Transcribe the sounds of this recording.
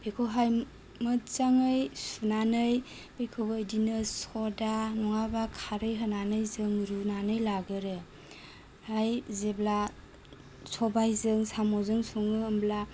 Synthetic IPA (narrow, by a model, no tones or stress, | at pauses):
b̥ekʰoɦaj | mɯt͡ʃaŋɯjsunanɯj | bekʰobːjdinɯsɔdanɔŋabakʰaɾɯjɦənanɯjzɯŋɾunanɯjlaɡɯɾɯ | hajzebla | sɔbajzɯŋsamɔzɯŋsuŋɯːmbla